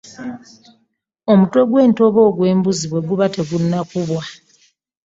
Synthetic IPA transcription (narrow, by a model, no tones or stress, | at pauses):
o̞mutwe̞ɡwe̞ːnto̞βo̞ːɡwe̞ːmbuziβwe̞ɡuβate̞ɡunːakuβwa